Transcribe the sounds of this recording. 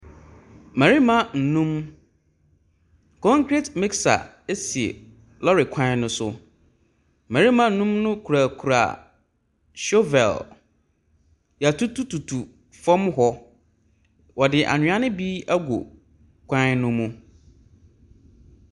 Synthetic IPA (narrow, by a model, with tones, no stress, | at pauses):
mæ˨ɾi˦mã˦n̩˨nũ˦m | kʰɔ̃˦ŋkʰɾe˦tmɪ˦ksa̰˨ | e˦si˨ḛ˨ | lɔ˦ɾɪ˨kʷʰã˦ɪ˦nʊ̃˦sʊ˦˨ | mæ˨ɾi˦mã˦n̩˨nũ˦mnʊ̃˦kʰu˨ɾa˨kʰu˨ɾa̰˨ | ʃo˦vɛ̰˨l | ja˨tʰu˦tʰu˦tʰu˨tʰu˨ | fɔ̃˦mɦɔ˦ | wɔ˨dɪ˨ʔa̰˨ɲɪ̃˨˦a˦nɪ̃˦bi˦a˦ɡo̰˨ | kʷʰã˦nʊ̃˦mũ˦